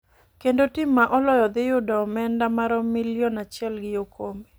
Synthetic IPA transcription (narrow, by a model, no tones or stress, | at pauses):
kendotɪmːaʔɔlɔjɔd̪ɪjʊdɔmɛndamaɾɔmilijɔnat͡ʃjɛlɡɪjokʰome